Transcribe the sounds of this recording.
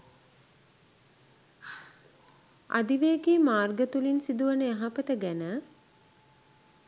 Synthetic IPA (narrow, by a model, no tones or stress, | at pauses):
a̰d̪iʋeːɡeːmaːrɡət̪ulinsid̪uʋənəjaɦapət̪əɡænə